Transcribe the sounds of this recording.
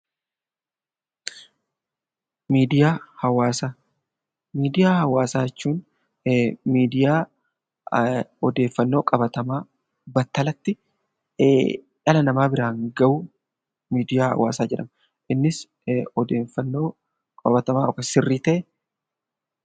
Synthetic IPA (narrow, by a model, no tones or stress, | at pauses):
miːd̪ɪjaːhɐwaːsaː | miːd̪ɪjaːhɐwaːsaːɛt͡ʃːuːn | miːd̪ɪjaː | ɔd̪e̞ːfːɐnːoːkʼɐbɐt̪ɐmaː | bɐt̪ːɐlɐt̪ːɪ | ʔɐlɐnɐmaːbɪɾaːŋɡɐʔʊ | miːd̪ɪjaːhɐ̰wa̰ːsaːd͡ʒɛᶑɐmɐ | ʔɪnːɪs | ɔd̪eːfːɐnːoː | kʼɐbɐt̪ɐmaːɔkɐsɪrːiːt̪ɐʔɛ